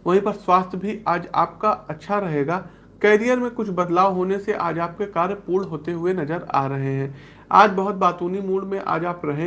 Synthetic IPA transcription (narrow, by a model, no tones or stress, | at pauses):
ʋɐɦĩpɐɾswaːst̪ʰjbʱiaːd͡ʒa̰ːp̚kaɐtːʃʰaɾɐɦeːɡaː | kɛːɾijəɾmẽkʊt͡ʃʰbɐd̪laːʋɦoːneseʔaːd͡ʒaːp̚kekaːɾjəpuːɽɦoːt̪eɦʊenɐzəɾa̰ːɾɐɦeɦɛ̃ː | a̰ːd͡ʒbɐɦʊt̪̚baːt̪uːnimuːɖmẽʔa̰ːd͡ʒaːpɾɐɦẽ